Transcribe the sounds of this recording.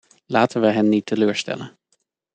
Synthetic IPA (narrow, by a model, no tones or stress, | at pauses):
laːtənʋəɦɛnːitəløːɹstɛ̰lən